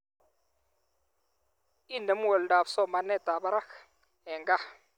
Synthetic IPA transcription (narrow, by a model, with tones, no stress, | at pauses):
i˦˨nɛ˨m˦wɔ˨lda˨bsɔ˦ma˨nɛ˦˨t̪a˨ba˦ɾa˦x | ɛ˨ŋɡa˦˨